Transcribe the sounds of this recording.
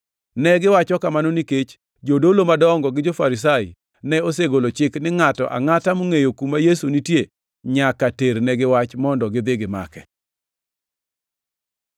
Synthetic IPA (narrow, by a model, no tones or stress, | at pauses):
nɛɡɪwat͡ʃɔkamanoniket͡ʃ | d͡ʒodolomadɔŋɡɔɡɪd͡ʒofaɾis̬ajɪ̰ | nɛoseɡolot͡ʃɪknɪŋatɔ̰ʔa̰ŋatamoŋejokumajesunitje | ɲakateɾnɛɡɪwat͡ʃmɔndɔɡɪd̪ɪɡɪma̰kɛ̰